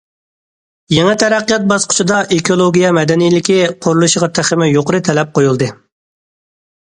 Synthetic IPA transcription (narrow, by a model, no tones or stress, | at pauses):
jeŋɛt̪ʰɛɾæqːijɑt̪̚bɑsqʰʊ̥t͡ʃʰid̪ɑʔekʰolˠoɡʲijɛmɛd̪ɛnijlɪkʲiqʰʊɾulˠuʃəʁɑt̪ʰæχɪmɛjoqəɾɨt̪ʰɛlɛp̚qʰojulˠd̪ɨ